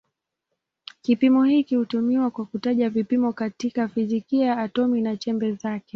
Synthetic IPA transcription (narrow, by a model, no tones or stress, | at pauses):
kipimɔhikihutumiwakwakutaʄavipimɔkatikafizikiajaːtɔminat͡ʃɛmbɛzakɛ